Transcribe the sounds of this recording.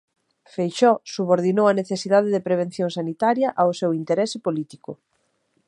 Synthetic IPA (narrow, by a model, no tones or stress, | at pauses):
fejʃɔsuβoɾðinowɐneθesiðaðeðɪpɾeβ̞ẽn̟θjoŋsanit̪aɾjɐʔaosewint̪eɾɛsɪpolit̪ikʊ